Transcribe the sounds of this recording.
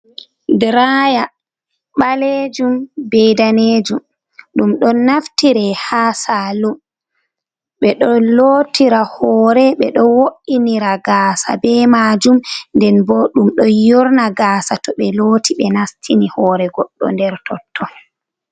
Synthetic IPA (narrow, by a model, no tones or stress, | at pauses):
dɾaja | ɓaled͡ʒumbɛjdaned͡ʒum | ɗumɗɔnaftiɾɛhaːsalum | ɓɛɗɔloːtiɾahɔːɾɛɓɛɗɔwoʔiniɾaɡaːsa̰bɛmaːd͡ʒumndɛnbɔɗumɗɔjɔɾnaɡaːsatɔɓɛlotʰiɓɛnastʰinihɔːɾɛɡɔɗːɔ̰ndɛɾtʰɔtʰːɔ